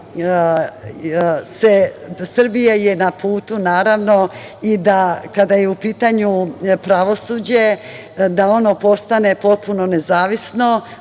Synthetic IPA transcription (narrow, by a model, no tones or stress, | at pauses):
sesr̩bijajenapʰuːt̪unaːɾaʋno̞id̪akad̪ajeupiːt̪aɲupɾaʋo̞suːd͡ʑe̞ | d̪ao̞nopo̞st̪ane̞po̞t̪̚puno̞nezaːʋisno̞